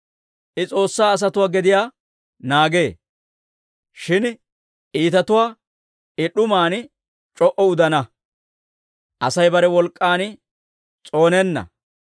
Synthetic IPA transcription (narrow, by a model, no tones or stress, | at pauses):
ʔɪt͡sʼo̞ːsːaːs̬ɐt̪ʊwaːɡɛd̪ɪjaː | naːɡe̞ː | ʃɪn | ʔiːt̪ɐt̪ʊwaː | ɪɗʊmaːn | t͡ʃʼɔʔɔʊd̪ɐnɐ | ʔɐsɐjbɐɾɛwɔlkʼːaːn | t͡sʼo̞ːnɛnːɐ̰